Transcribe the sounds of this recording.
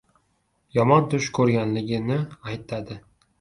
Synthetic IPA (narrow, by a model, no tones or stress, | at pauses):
jɒmɒnt̪ʰʊʃkʰɵɾɡʲanlɪɡʲɪnɪajt̪ʰad̪ɪ